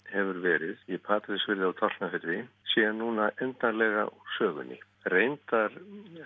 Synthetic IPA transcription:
hɛvʏɾvɛːɾɪðjɛpʰaːt̪ɾɪsvɪɾðɪawt̪ʰar̥nafɪɾɾɪsɛːɣanːuːnaʔɛnt̪aɾlɛɣa̰sœːɣʏ̰nɪ̰ | rejnt̪aɾ̥

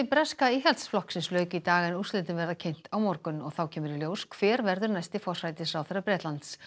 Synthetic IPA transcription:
ɪpɾɛskaiɦɛlt̪sflɔhksɪnslœːɥkʏit̪aːɣaɛnust̪lɪnt̪ɪnvɛɾðacʰejn̥t̪awmɔɾkʏnɔɣθawcʰɛːmʏɾiljoːwskʰv̥ɛːɾvɛɾðʏɾnajst̪ɪfɔr̥ajt̪ɪsɾawθaɾːapɾɛːt̪lant̪s

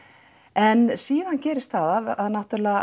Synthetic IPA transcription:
ɛnsiːðancɛːɾɪst̪θaðaðaðnaht̪ʏɾlɛɣa

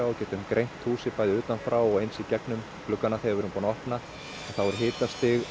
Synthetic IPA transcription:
aɔcɛːt̪ʏmkɾʔejn̥t̪huːsɪpajðɪʏːt̪anfɾawɔɣejnsicɛknʏm | kʰlʏkːanaθejavɛɾʏmpɔːnaɔhpna | ɛnθawɛɾʏɦɪːt̪ast̪ɪɣ

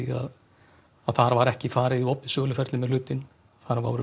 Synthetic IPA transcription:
ia̰ð | aðθaɾavaɾɛhcɪfaːɾɪðiɔpɪðsœːɣlʏfɛɾt̪lɪmɛðlʏːt̪ɪn | θaɾava̰wɾʏ

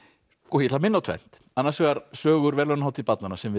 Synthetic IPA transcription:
kɔhjɛt̪lamɪnːawt̪ʰvɛ̰n̥t̪anːaɾsɛɣaɾsœːɣʏɾvɛɾlœnahawt̪ɪpat̪nanasɛmvɪ

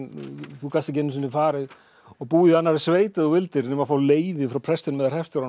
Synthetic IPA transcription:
θukʰast̪ɪc̬ɛnːɪs̬ɪnːɪfaːɾɪð | ɔɣpuːðɪanːaɾɪsveːjt̪ɪðɔvɪlt̪ɪɾnɛmafaːwleːjvɪfɾawpʰɾ̥ɛst̪ɪnmɛðaɾ̥hɛfst̪ʏɾan

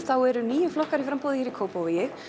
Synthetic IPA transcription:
θawɛɾʏniːjʏflɔhkaɾifɾampowðɪçɛɾikʰoːwpowvɪjɪx

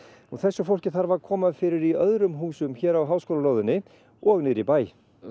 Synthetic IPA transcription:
ɔɣθɛsːʏfowl̥cɪθaɾvaɾkʰɔːmaðfɪɾɪɾiœðɾʏmɦuːsʏmçɛːɾawɦawskowlaloːwðʏnːɪ | ɔɣnɪðɾipaːj

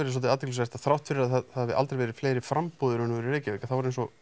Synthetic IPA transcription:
ɛɾɪs̬ɔt̪ɪaːðt̪ik̪lːs̬ɛɾ̥t̪aðθɾawht̪fɪɾɪɾaðahavɪðʔa̰t̪ɾejvɛːɾɪ̥fleːjɾɪfɾampoːðʏɾʏnːʏvɛɾɪɾeːjcɪveːjkḁθavɔɾejnsɔ

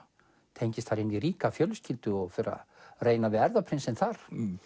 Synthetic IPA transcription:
t̪ʰejɲcɪst̪θaɾɪniɾiːkafjœlscɪlt̪ʏɔɣfɪɾa̰ðreːjnavɪðɛɾðapʰɾɪnsɪnθaɾ̥

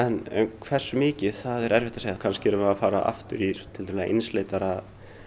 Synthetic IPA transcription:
ɛnɛ̰nkʰvɛr̥sːʏmɪːcɪθaðɛɾɛɾvɛht̪aseːjaðkʰanscɪɛɾʏmɛafaːɾaʔa̰ft̪ʏɾiɾ̥t̪ʰɪlt̪ʰamːɛða̰ʔɪ̰nsleːjt̪aɾa

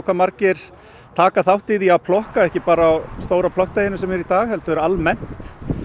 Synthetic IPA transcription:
wkʰvamaɾcɪɾ̥ | t̪ʰaːkaθawht̪ɪðiaðpʰlɔhkaɛhcɪpaːɾaːwst̪oːwɾapʰlɔht̪aːjɪnʏsɛmɛɾit̪aːɣɦɛlt̪ʏɛɾalmɛn̥t̪

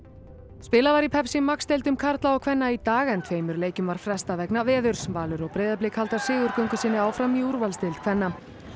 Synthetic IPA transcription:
spɪːlavaɾipʰɛpsɪmːakst̪ejlt̪ʏmkʰaɾt̪laawkʰv̥ɛnːait̪aːɣɛnt̪ʰveːjmʏɾleːjcʏmvaɾ̥fɾɛst̪avɛknavɛːðʏɾ̥sɛmvaːlʏɾɔɣpɾeːjðap̬lɪːkhalt̪aɾ̥sɪːɣʏɾkœɥŋkʏsɪːnːɪaːwfɾamiuɾvalst̪elt̪̚kʰv̥ɛnːa

